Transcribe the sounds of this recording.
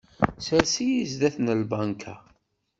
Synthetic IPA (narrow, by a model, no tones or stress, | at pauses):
səɾsijizðæθnəlbankʰa̰